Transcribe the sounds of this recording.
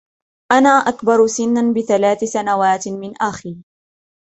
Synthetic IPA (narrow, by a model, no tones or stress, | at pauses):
ʔanaːʔakbɑɾˤsɪnːbɪθalaːθsanawaːt̪mɪnʔaxiː